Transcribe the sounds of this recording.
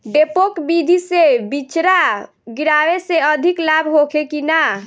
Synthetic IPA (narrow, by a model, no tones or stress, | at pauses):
ɖepokbid̪ʱisebit͡ʃɾa | ɡiɾaweseəd̪ʱiklabʱɦokʰekina